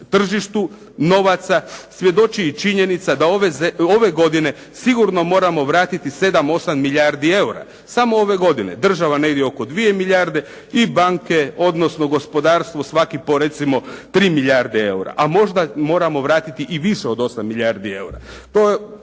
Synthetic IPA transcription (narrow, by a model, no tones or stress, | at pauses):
t̪r̩ʒiʃt̪u | no̞ʋat̪sasʋje̞d̪o̞t͡ʃiit͡ʃiɲe̞nit̪sad̪aoʋezeoʋe̞ɡo̞d̪ine̞ | siɡuɾno̞mo̞ːɾamo̞ʋɾaːt̪it̪ise̞d̪amo̞samːiʎaɾd̪ie̞uɾa̰ | samo̞oʋe̞ɡo̞d̪inḛd̪r̩ʒaʋane̞ɡd̪eo̞ko̞d̪ʋie̞miʎʲaɾd̪e̞ | ibaŋke̞o̞d̪no̞sno̞ɡo̞spo̞d̪aːɾst̪ʋo̞sʋakipo̞ɾe̞t̪simo̞t̪ɾiːmiʎaɾd̪ee̞uɾa̰ʔamo̞ʒd̪amo̞ːɾamo̞ʋɾaːt̪it̪iʔiʋiʃeo̞d̪o̞samːiʎʲaɾd̪ie̞̰uɾat̪oje